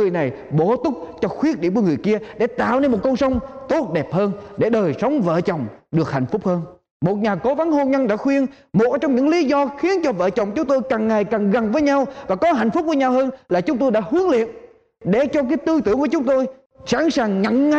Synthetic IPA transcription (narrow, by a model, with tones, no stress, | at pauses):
ɨ˨˩əjna˨˩j | ɓo˧˩t̪ʊ˦˥k͡p̚t͡ɕɔ˧xwi˦˥ət̚i˧˨ku˧˩əŋɨ˨˩əjki˧əɗḛ˧˩t̪a̰ː˧˨wne˧nmo˨˩t̚kə˧wŋ͡msə˧wŋ͡mt̪o˦˥t̚ɗɛ˨˩p̚həː˧nɗe˧˩ɗəː˨˩jsə˨˦wŋ͡mvə̰ː˧˨t͡ɕə˨˩wŋ͡mɗɨ˨˩ək̚ha̰˧˩jŋ̟fʊ˦˥k͡p̚həː˧n | mo˨˩t̚ɲaː˨˩ko˨˦va˨˦nho˧nɲə˧nɗa̰ː˧˥xwi˧ən | mo˨˩t̚t͡ɕɔ˧wŋ͡mɲɨ̰˧˥ŋli˨˦zɔ˧xi˨˦ənt͡ɕɔ˧və̰ː˧˨t͡ɕə˨˩wŋ͡mt͡ɕʊ˨˦ŋ͡mt̪o˧jkaː˨˩ŋːa˨˩jkaː˨˩ŋɣa˨˩ŋvəː˨˦jɲa˧wvaː˨˩kɔ˨˦ɦa˧˨jŋ̟fʊ˦˥k͡p̚vəː˨˦jɲa˧whəː˧nlaː˨˩t͡ɕʊ˨˦ŋ͡mt̪o˧jɗa̰ː˧˥ɦɨ˨˦əŋlḭ˧˨ən | ɗe˧˩t͡ɕɔ˧k̬aː˨˦jt̪ɨ˧t̪ɨ˧˦ŋku˧˩ət͡ɕʊ˨˦ŋ͡mt̪o˧j | sa̰ː˧˥ŋsaː˨˩ŋːa̰˧˨ŋː˧˨